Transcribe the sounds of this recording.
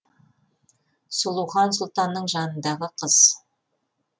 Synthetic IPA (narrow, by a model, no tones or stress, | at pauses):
sulˠuwχɑnsʊlˠt̪ɑnːəɴʒɑnənd̪ɑʁəqʰəz̥